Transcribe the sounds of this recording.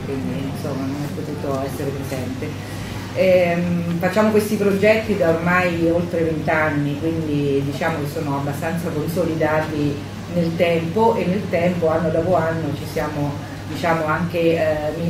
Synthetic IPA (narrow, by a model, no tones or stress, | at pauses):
kwind̪insomːanonɛpːot̪uːt̪oɛsːeɾepɾezɛnt̪e | ɛfat͡ʃːaːmokwest̪ipɾod͡ʒɛt̪ːid̪aormajolt̪ɾevent̪anːikwind̪id̪it͡ʃaːmok̟esːoːnoabːast̪ant̪sakonsolid̪aːɾi | nelt̪ɛmpoʔenːelt̪ɛmpoanːod̪ɔːpoanːot͡ʃisjaːmo | d̪it͡ʃaːmoaŋk̟emi